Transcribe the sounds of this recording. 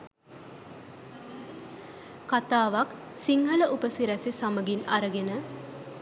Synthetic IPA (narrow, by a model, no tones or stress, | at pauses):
kat̪aːʋak | siŋɦələʔupəsiɾæsisaməɡinaɾəɡenə